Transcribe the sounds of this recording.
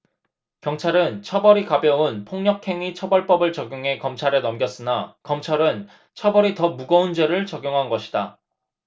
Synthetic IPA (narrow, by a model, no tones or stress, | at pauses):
kjʌŋt͡ɕʰaɾɯnt͡ɕʰʌbʌɾikabjʌunpʰoŋɲʌkʰe̞ŋit͡ɕʰʌbʌɭp͈ʌbɯɭt͡ɕʌɡjoŋɦe̞kʌmt͡ɕʰaɾenʌmɡjʌs͈ɯnakʌmt͡ɕʰaɾɯn | t͡ɕʰʌbʌɾitʌmuɡʌund͡ʑe̞ɾɯɭt͡ɕʌɡjoŋɦanɡʌɕʰi̥da